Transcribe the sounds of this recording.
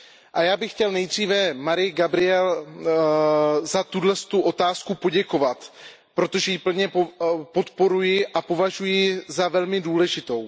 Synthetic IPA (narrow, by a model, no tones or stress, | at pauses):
ʔajaːbɪxcɛlnɛjd̪r̝iːvɛmaɾɪjɡabɾɪɛl | zat̪udlɛst̪uʔo̞t̪aːskupo̞ɟɛko̞vat̪ | pɾo̞t̪o̞ʒɛjipl̩ɲɛpo̞t̪po̞ɾujɪʔapo̞vaʒujɪzavɛlmɪduːlɛʒɪt̪o̞w